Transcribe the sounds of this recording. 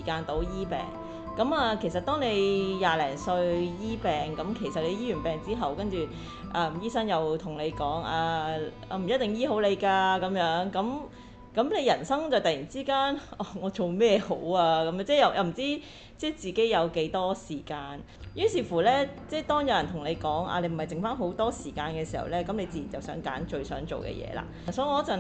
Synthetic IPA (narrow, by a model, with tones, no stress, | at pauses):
i˨˩kaː˧nt̪o˨˧˥wjiː˥pɛ̰ː˨˩ŋ | kɐ˨˧˥maː˧kʰe˨˩js̬ɐ˨t̚t̪ɔː˥ŋne˨˧jjaː˨˧lɛː˨˩ŋsɵ˧ɥjiː˥pɛː˨ŋkɐ˨˧˥mkʰe˨˩jsɐ˨t̚le˨˧jiː˥jyː˨˩npɛː˨ŋt͡siː˥ɦɐ˨wkɐ˥nt͡ʃyː˨ | ʔaː˧m̩˨˩jiː˥sɐ˥ŋjɐ˨˧wt̪ʰʊ˨˩ŋle˨˧jkɔː˨˥ŋaː˧ | a˧m̩˨˩jɐ˥t̚t̪ɪ˨ŋjiː˥ɦo˨˥wle˨˧jkaː˧kɐ˨˥mjœː˨˧˥ŋkɐ˨˥m | kɐ˨˥mle˨˧jɐ˨˩nsɐ˥ŋt͡sɐ˨wt̪ɐ˨ji˨˩nt͡siː˥kaː˥nɔː˧˩ŋɔː˨˧t͡so˨wmɛː˥jho˨˥waː˧kɐ˧˦mjœː˧˥nt͡sɛː˥˩jɐ˨˧wjɐ̰˧m̩˨˩t͡siː˥ | t͡sɛː˥˩t͡siː˨˩ke˨˥jɐ˨˧wke˨˥jt̪ɔː˥siː˨˩kaː˧n | jyː˥nsiː˨fuː˨˩lɛː˥t͡sɛː˥˩t̪ɔː˥ŋjɐ˨˧wjɐ˨˩nt̪ʰʊ˨˩ŋne˨˧jkɔː˨˥ŋa̰ː˧le˨˧˥m̩˨˩˨jt͡sɪ˨ŋfaː˥nɦo˨˥wt̪ɔː˥siː˨˩kaː˧nkɛ˧si˨˩hɐ̰˨˩wlɛː˥kɐ˨˥mle˨˧t͡siː˨˧jiː˨˩nt͡sɐ˨wsœ̰ː˨˥ŋka̰ː˨˥nt͡ʃɵ˧ɥsœ̰ː˨˥ŋt͡so̰˨wkɛ̰ː˧jɛ̰ː˧la̰ː˧˩ | sɔː˨˥jŋɔː˨˧˥t͡sɐ˨